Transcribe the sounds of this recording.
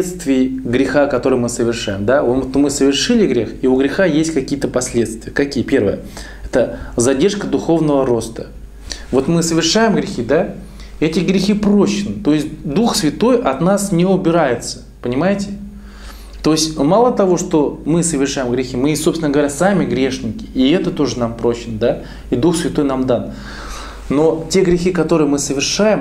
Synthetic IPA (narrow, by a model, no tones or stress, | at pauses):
et̪st̪vʲɪːɡɾʲɪxakɐt̪o̞ɾɨjmɨsəvʲɪrʂajɪmd̪aot̪mɨsəvʲɪrʂɨlʲɪɡɾʲe̞xiʊɡɾʲɪxajesʲtʲkɐkʲijət̪əpɐsʲlʲe̞t̪st̪vʲɪjəkɐkʲijəpʲe̞rvə̰jə̰ | ɛt̪əzɐdʲerʂkəd̪ʊxo̞vnəvəɾo̞st̪ə | vo̞t̪mɨsəvʲɪrʂajɪmɡɾʲɪxʲid̪a | ɛtʲɪɡɾʲɪxʲipɾoɕɪnt̪o̞ɪsʲtʲd̪uxsvʲɪt̪o̞jʔɐt̪nasnʲeʊbʲɪɾajɪt̪sə̥ | pənʲɪmajɪtʲɪ | t̪o̞ɪsʲtʲmalˠət̪ɐvo̞ʂt̪o̞mɨsəvʲɪrʂajɪmɡɾʲɪxʲimɨso̞psʲnəɡəvɐɾʲasamʲɪɡɾʲe̞ʂnʲɪkʲɪ̥iɛt̪ət̪o̞ʐɨnampɾo̞ɕɪnd̪a | id̪uxsvʲɪt̪o̞jnamd̪anː | o̞tʲe̞ɡɾʲɪxʲikɐt̪o̞ɾɨjəmɨsəvʲɪrʂajɪm